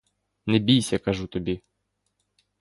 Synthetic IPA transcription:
nɛbʲijsʲɐkɐʒut̪ɔbʲi

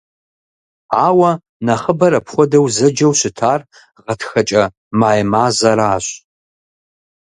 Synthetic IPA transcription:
aːwɐ | nɐχəbɐɾɐpʰxʷɔdɐwzɐd͡ʒɐwɕɪtʰaːr | ʁɐtʰxɐt͡ʃʼɐ | maːjmaːzɐɾaːɕ

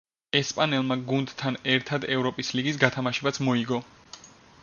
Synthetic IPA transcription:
ɛspʼanɛlˠmaɡund̪t̪ʰːanɛɾt̪ʰad̪ɛvɾɔpʼisliɡisɡat̪ʰamaʃɛbat̪sʰmɔiɡɔ

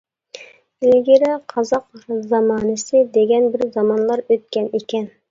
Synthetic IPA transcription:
ɪlɡʲɪɾɪqʰɑzɑqzɑmɑːnɨsɪd̪eɡʲɛnbɪɾzɑmɑnlˠɑɾøt̪̚kʲɛnekʲɛn

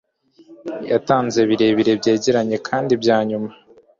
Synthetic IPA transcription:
ja̰taːnze̞βiɾe̞βiɾe̞bɟe̞ːɟeɾaɲe̞kʰaːndibɟaːɲuma

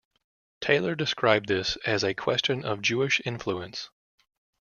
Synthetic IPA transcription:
tʰeɪlˠə˞dɨskɹaɪb̚ðɪsɨzɨkʰw̥ɛst͡ʃɨ̃nʌvd͡ʒʉɨʃɪ̃ɱfluɨ̃ns

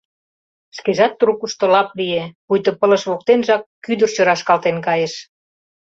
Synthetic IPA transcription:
skeʒɑt̪ːɾukuʃt̪olɑpliepujt̪ŏpələ̆ʃβok̚t̪enʒɑkːyd̪ə̆rt͡ɕøɾɑʃkɑlt̪enkɑjeʃ

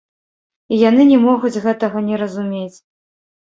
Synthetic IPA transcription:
ijan̪ɨnʲɛmɔɣud͡zʲɣɛt̪ɐɣɐnʲɛɾɐzumʲet͡sʲ

